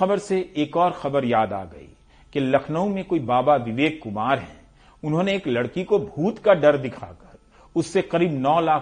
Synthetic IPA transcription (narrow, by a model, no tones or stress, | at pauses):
ɐbəɾseeːkɔːɾxɐbəɾjaːd̪a̰ːɡɐ̰ḭː | kelɐkʰnəũmẽkoːibaːbaʋɪʋeːkkːʊmaːɾɦɛ̃ | ʊnɦõːneeːklɐɽkikobʱuːt̪kaɖɐɾd̪ɪkʰakɐɾ | ʊsːeqɐɾiːbnɔːlaːk